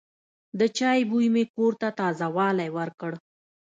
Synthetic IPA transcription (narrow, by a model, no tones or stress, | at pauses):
d̪ət͡ʃɑjbujmekoɾt̪at̪ɑzawɑlajwəɾkəɽ